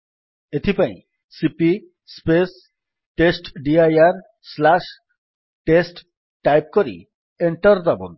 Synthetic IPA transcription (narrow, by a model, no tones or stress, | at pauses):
et̪ʰipaḭ̃ | sipi | spes | ʈesʈɖiajaɾ | slaʃ | ʈesʈ | ʈːajp̚koɾḭ | eɳʈɔɾd̪abo̰n